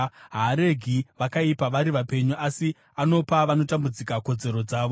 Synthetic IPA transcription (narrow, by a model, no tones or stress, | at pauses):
ɦaɾe̞ɡʱiʋakaipaʋaɾiʋape̞ɲuʔasi | ano̞paʋano̞tambud͡zikako̞d͡ze̞ɾo̞d͡zaːʋo